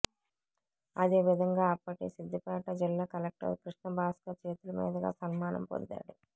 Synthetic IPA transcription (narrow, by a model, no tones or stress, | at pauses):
ɐd̪eːʋid̪ʱɐŋɡaːɐpːɐʈisid̪ːɐpɛːʈɐd͡ʒilːaːkɐlek̚ʈɐ̰ɾkɾuʂnɐbʱaːskɐt͡ʃeːt̪ulɐmḭːd̪ɐɡa̰ːsɐnmaːnɐ̰mpo̰nd̪a̰ːɽu